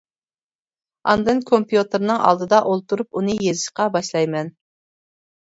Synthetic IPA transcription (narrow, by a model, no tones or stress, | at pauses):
ɑ̰nd̪ɨnkʰompjut̪ʰɨɾnɨŋɑ̰lˠd̪ɨd̪ɑʔolˠt̪ʰuɾupunɨjezɨʃqɑbɑʃlˠɑjmɛn